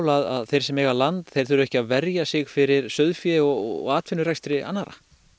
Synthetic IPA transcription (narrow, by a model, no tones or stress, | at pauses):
wlaða̰ðθejɾ̥sɛmɛːɣalant̪θejɾ̥θʏɾɛhcɪaðvɛɾjasɪɣfɪɾɪɾ̥sœðfjɛɔɣ̰ɣaːt̪fɪnːʏɾajst̪ɾɪʔa̰nːaɾa̰